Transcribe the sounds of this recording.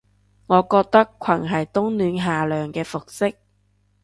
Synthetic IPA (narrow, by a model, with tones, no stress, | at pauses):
ŋɔː˨˧kɔː˧k̚t̪ɐ˥kʷʰɐ˨˩nɦɐ˨˩jt̪ʊ˥ŋnyː˨˧nɦaː˨lœː˨ŋkɛː˧fʊ˨k̚sɪ˥k̚